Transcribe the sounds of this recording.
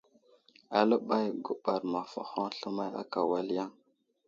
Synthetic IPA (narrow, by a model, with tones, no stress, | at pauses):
a˨lə˦ɓa˦jɡu˦ɓa˨ɾma˨fa̰˨xa˦ɬə˦ma˦ja̰˦ka˨wa˦lja˦ŋ